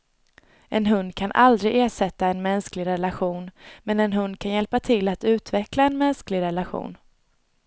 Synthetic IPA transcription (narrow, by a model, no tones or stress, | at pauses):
ʔɛnɦɵnd̪̚kʰanʔa̰ld̪ɾɪʔeːʂɛt̪ːaɛnmɛnsklɪɡɾɛlaɧuːnmɛnɛnɦɵnd̪̚kʰanjɛlpat̪ʰɪlːat̪ʉ̟ːt̪vɛklaɛnmɛnsklɪɡɾɛlaɧṵːn